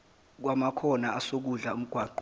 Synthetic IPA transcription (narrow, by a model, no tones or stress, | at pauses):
k̬wamakʰɔnaːsok̬uɮaum̩ɡ̥ʱwaːǃ